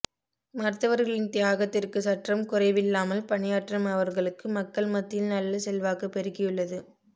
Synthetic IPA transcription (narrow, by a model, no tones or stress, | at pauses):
mɐɾt̪ːɐʋɐɾɣɐɭɪnt̪ɪjaːɣɐt̪ːɪrkɯsɐʈrɐmkʊrɐɪʋɪlːaːmɐlpɐɳɪjaːʈrɐmɐʋɐɾɣɐɭɯkːɯmɐkːɐɭmɐt̪ːɪlnɐlːɐsɛlʋaːkɐpːɛɾɯɣɪjɯɭːɐðɯ